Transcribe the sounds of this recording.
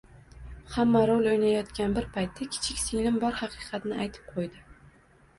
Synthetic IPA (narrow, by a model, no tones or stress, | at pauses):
hamːaɾolˠojnajɒt̪kʲanbɪɾpʰajt̪ʰːakʲʰɪ̥t͡ʃʰɪkʲsilɪmbɒɾhɑqʰɨːqʰɑt̪nɪajt̪ʰɪ̥p̚qʰojd̪ɪ